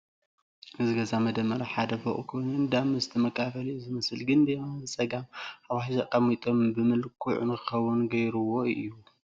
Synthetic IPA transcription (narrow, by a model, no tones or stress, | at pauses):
ʔɨzɨɡɐzamɐd̪ɐmːɐɾaħad̪ɐfɐʔʼukʰo̞jnɨnd̪amɨzɨt̪ʰɨmɐkʼafɐlizɨmɐsɨlɡɨnd̪emazɨt͡sʼɐɡamʔaβaħzakʼɐmit̪ʼombɨmɨlkʰuʕṵnɨkʰɨxɐwːunɡɐjɾuwoɨjːu